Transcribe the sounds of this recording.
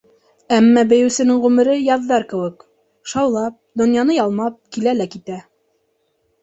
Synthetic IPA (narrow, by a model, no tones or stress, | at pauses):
æmːæbɘ̆jɘ̆wsɘ̆nɘŋʁʉmɘ̆ɾɘjɑðːɑɾkɘ̆wɘk | ʃɑwlˠɑp̚d̪ŏnjɑnɤjɑlˠmɑp̚kilælækit̪æ